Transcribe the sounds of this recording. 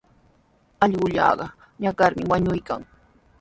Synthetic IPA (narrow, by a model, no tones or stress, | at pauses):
ɑʎɢʊʎɑ̰ːɢɑ | ɲakaɾmɪwaɲʊjka̰ŋ